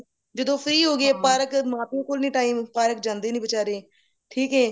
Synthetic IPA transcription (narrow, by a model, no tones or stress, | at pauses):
d͡ʒəd̪õːpʰɾiːɦoːɡeːpaːɾəkmaːpiːkoːlnĩːʈaːiːmpaːɾəkd͡ʒãːnd̪eːnĩːbət͡ʃaːɾeː | ʈʰiːkɦɛː